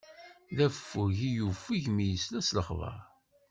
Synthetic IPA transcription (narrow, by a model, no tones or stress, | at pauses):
ðæfːʊʝijufːiʝmijəslæsləχvə̰ɾ